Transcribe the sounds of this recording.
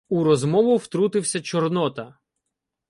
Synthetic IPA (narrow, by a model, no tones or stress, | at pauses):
uɾɔzmɔʋʊwt̪ɾut̪ɪwsʲɐt͡ʃɔrnɔt̪ɐ